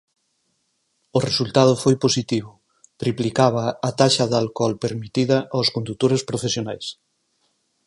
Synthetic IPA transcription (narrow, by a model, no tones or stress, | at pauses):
oresult̪að̞ʊfojposit̪iβ̞ʊ | t̪ɾiplikaβ̞ɐːt̪aʃɐðalkɔlpeɾmit̪iðɐʔawskond̪ut̪oɾespɾofesjonajs